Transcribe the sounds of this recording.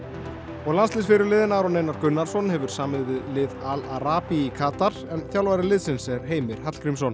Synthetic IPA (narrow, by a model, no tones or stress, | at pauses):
ɔɣlanst̪ɪsfɪɾʏɾlɪːðɪnaɾɔnejnaɾkʏnːaɾ̥sɔnhɛvʏɾ̥saːmɪðvɪðlɪːðalaɾaːpiikʰaːt̪aɾ̥ɛnθjawlvaɾɪlɪːðsɪnsɛɾ̥ɦeːjmɪɾ̥hat̪l̥kʰɾimsɔn